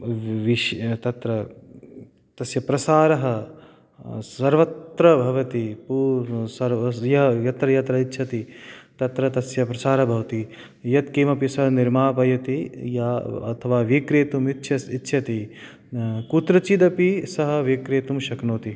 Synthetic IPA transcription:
ʋiʃt̪ɐt̪ɾɐ | t̪ɐsjɐpɾɐsaːɾɐɦɐ | sɐɾʋɐt̪ɾɐbʱɐʋɐt̪ipusɐɾjɐɦɐjɐt̪ɾɐjɐt̪ɾɐitːt͡ʃʰɐt̪it̪ɐt̪ɾɐt̪ɐsjɐpɾɐsaːɾɐbʱɐʋɐt̪i | jɐt̪keːmɐpisɐɦɐniɾmaːpɐjɐt̪ijɐɐ̰t̪ʰɐʋaːʋiːkɾeːt̪umit̪ːʃʰɐsitːʃʰɐt̪i | kut̪ɾɐt͡ʃid̪ɐpisɐɦɐʋikɾeːt̪umʃɐknoːt̪i

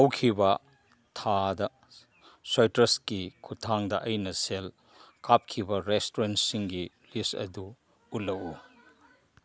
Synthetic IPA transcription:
ɐwkʰibɐ | tʰadɐ | sojtɾɐskikʰutʰaŋdɐʔɐjnɐsel | kap̚kʰibɐɾestoɾentsiŋɡi | listɐ̰duː | lːɐwu

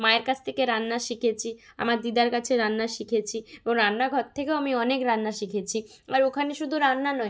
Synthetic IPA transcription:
maeɾkat͡ɕʰt̪ʰekeɾanːaʃikʰet͡ɕʰia̰maɾd̪id̪aɾkat͡ɕʰeɾanːaʃikʰet͡ɕʰieboŋɾanːaɡʱɔɾt̪ʰːekeoamiɔnekɾanːaʃikʰet͡ɕʰi | aɾokʰaneʃud̪ʱuɾanːanɔe

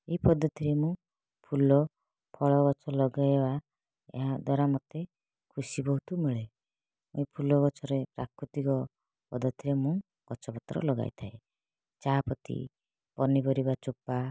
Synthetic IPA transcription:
eipɔd̪ʱɔt̪iɾemũ | pʰulɔ | pʰɔɭɔɡɔt͡ʃʰɔlɔɡajeba | ḛɦad̪waɾamɔt̪e | kʰusibɔɦut̪umiɭe | mũĩpʰulɔɡɔt͡ʃʰɔɾepɾa̰kʰɾut̪ikɔ | pɔd̪ʱɔt̪ʰiɾemũ | ɡ̥ɔt͡ʃʰɔbɔt̪ɾɔ̰lɔɡa̰j̰t̪ʰae | t͡ʃapɔt̪ḭ | pɔnibɔɾibat͡ʃupa

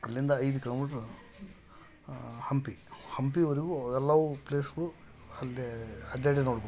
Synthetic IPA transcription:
ɐlːind̪ɐɐjd̪ukʲiloːmiːʈɾ | hɐmpihɐmpiʋɐɾiɡuɛlːaːʋupleːsɡɐɭu | ɐlːiɐɖeːɖenoːɽubo

